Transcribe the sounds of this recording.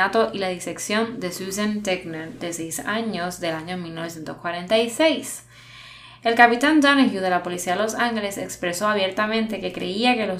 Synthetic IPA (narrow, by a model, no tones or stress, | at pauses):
at̪o̞ʔilaðise̞ksjo̞nd̪e̞susant̪eɡnad̪e̞sejsaɲo̞zðe̞laɲo̞milno̞βsje̞nt̪oskwaɾent̪ajsejs | e̞lkapit̪and̪aneʝjuð̞e̞lapo̞lisiaelo̞saŋhelesekspɾe̞so̞aβje̞ɾt̪amẽ̞nt̪e̞ke̞kɾe̞iake̞lo